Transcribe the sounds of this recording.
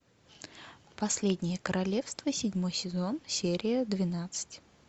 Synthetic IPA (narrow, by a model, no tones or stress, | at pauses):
pɐsʲlʲedʲnʲɪjəkəɾʔɐlʲe̞fst̪vəsʲɪdʲmo̞jsʲɪzo̞nsʲeɾʲɪjəd̪vʲɪnat̪sɨ̥tʲ